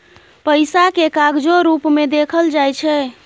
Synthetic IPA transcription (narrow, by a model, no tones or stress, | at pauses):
pəjsakekaɡd͡ʒoɾupmed̪ekʰəld͡ʒajt͡ʃʰɛ